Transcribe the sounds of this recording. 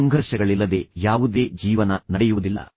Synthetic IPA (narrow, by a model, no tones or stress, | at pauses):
ɐŋɡʱɐɾʃɐɡɐɭilːɐd̪e̞ːjaːʋud̪eːd͡ʒiːʋɐnɐnɐɽɛjuʋud̪ilːɐ̰